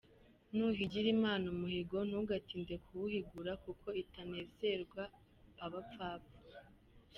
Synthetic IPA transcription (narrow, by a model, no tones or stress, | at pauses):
nuɦiɟiɾimaːnumuhiɡo̞n̥uɡatiːnde̞kuuhiɡuɾakukʰo̞itane̞ːze̞ɾɡwaː | βap͡faːpu̥